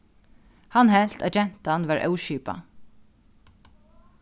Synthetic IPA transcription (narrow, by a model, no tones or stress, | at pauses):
hanɦɛl̥t̪a̰ːd͡ʒɛn̥t̪anʋæɹʔœ̰wʃiːpa̰